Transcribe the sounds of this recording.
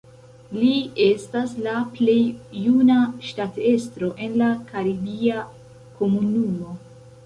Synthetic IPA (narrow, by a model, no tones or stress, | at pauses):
lie̞staslaple̞jːunaʃtate̞stɾo̞ʔe̞nlakaɾibia | ko̞munumo̞